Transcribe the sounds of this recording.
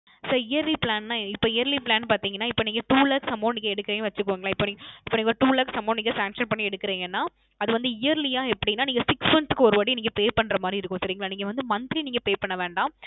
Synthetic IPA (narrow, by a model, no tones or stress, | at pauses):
sɐɾɪjɐɾliplaːnnaːɪpːoːɪjɐɾliplaːnpaːɾt̪iːŋɡɐnːaːɪpːoːniːŋɡɐʈuːlaːksɐmːoːniːŋɡɐɛɽɯkːɪɾeːjʋɐt͡ʃːɯkːɯʋiːŋɡɐlãːɪpːoːniŋɡɪpːoːniːŋɡɐʈuːlaːksɐmːoːniːŋɡɐsaːŋkʂɐnpɐɳːiɛɽɯkːɪɾiːŋɡɐnːaː | ɐðɯʋɐnd̪ɯɪjɐɾlɪjaːɛpːɐɽinːaːniːŋɡɐsɪksʋɐnskːɯɔɾɯʋaːɽiniːŋɡɐpeːpɐɳːɾɐmaːd̪ɾiɪɾɯkːʊ̃sɐɾiːŋɐɭaːniːŋɡɐʋɐnd̪ɯmɐnt̪ɪɾiniːŋɡɐpeːpɐɳːɐʋeːɳɖãː